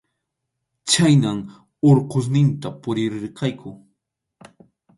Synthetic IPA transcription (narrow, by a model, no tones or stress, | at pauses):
t͡ʃajnam | oɾqos̬nɪnt̪apʊɾɪɾɪɾqɑjkʰʊ